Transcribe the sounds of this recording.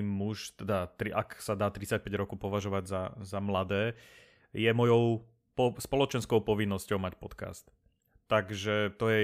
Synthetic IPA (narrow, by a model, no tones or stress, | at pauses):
muʃt̪ɛd̪at̪ɾiʔaksad̪aːt̪ɾit͡sac̚pɛɟɾɔkɔʊpɔʋaʒɔʋaɟzazamlad̪ɛː | jɛmɔjɔʊ | pɔspɔlɔt͡ʃɛnskɔʊpɔʋinːɔscɔʊmacpɔt̪ka̰st̪ː | aɡʒɛt̪ɔjɛ